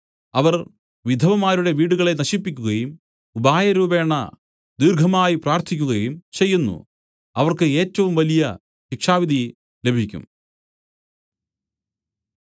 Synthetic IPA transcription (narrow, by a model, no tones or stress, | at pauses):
ɐʋɐr | ʋid̪ʱɐʋɐmaːɾuɽe̞ʋiːɽuɣɐɭe̞nɐɕipːikʲːuɣɐjum | ubaːjɐɾuːbe̞ːɳːɐ̰ | d̪iːrɡʱɐmaːjipraːrt̪ʰikʲːuɣɐjumt͡ɕe̞jːunːṵ | ɐʋɐrkɨe̞ːtːɐʋumʋɐlijɐ | ɕikʂaːʋid̪ʱi | le̞bʱikʲːṵm